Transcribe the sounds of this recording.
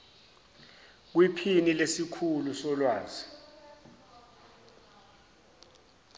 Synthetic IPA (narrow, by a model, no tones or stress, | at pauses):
k̬wipʰinilesikʰulusɔlwaːzi